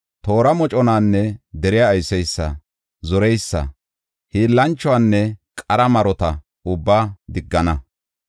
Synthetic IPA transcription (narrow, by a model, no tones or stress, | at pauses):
t̪o̞ːɾɐmɔt͡ʃʼɔnaːnːɛd̪ɛɾɪjaːjsɛjsːɐ̰ | zɔɾɛjsːɐ̰ | hiːlːɐnt͡ʃːɔwaːnːɛkʼɐɾɐmɐɾɔt̪ɐ | ʊbːaːd̪ɪɡːɐnɐ